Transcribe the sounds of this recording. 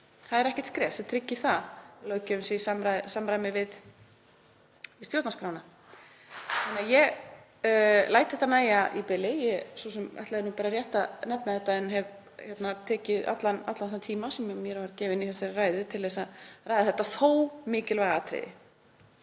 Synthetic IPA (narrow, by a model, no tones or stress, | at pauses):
θaðɛɾɛhcɛ̥t̪skɾɛːsɛt̪ʰɾɪcːɪ̥θaloːwcʏmsɛisamɾasamɾaːjmɪvɪð | ɪst̪jowt̪naspɾaːwna | manajɛɣ | laːjt̪θɛht̪anaːjaʔipɪlːɪjɛsusɛma̰ht̪aðɪnupaːɾarjɛht̪anɛpnaθɛht̪ːaɛnɦɛv | çɛt̪nat̪ʰɛːcɪða̰t̪lanat̪lanːt̪ʰiːmasɛmjmjɛɾvaɾcɛːvɪɪniθɛsaɾraːjðɪt̪ʰɪlðɛsaraːjðɪθɛht̪ːaθoːwmɪːcɪlvajɣat̪ʰɾɪ̰ðɪ̰